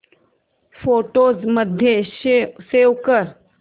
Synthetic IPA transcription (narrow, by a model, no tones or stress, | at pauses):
foʈoːzməd̪ʱjesewkəɾ